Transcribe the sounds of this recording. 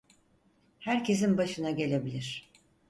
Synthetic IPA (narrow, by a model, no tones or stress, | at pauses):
hæɾcʰe̞s̬inbaʃɯnaɟe̞lʲe̞bilʲiɾ̥